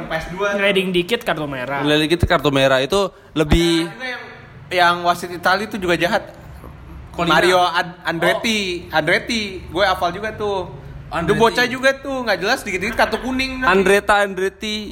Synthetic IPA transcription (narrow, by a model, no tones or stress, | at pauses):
pasduaɾedɪŋdikɪt̪̚kart̪omeɾalelikɪt̪̚kart̪omeɾait̪u | ləbɪhuɡj | jaŋwasɪt̪it̪alit̪ud͡ʒuɡad͡ʒaɦat̪̚ | konmaɾioaandɾet̪iandɾet̪iɡuɛapald͡ʒuɡat̪ʊhdumbot͡ʃad͡ʒuɡat̪ʊhŋɡaʔd͡ʒəlasdikɪt̪dikɪt̪̚kart̪okunɪŋandɾet̪aːndɾet̪i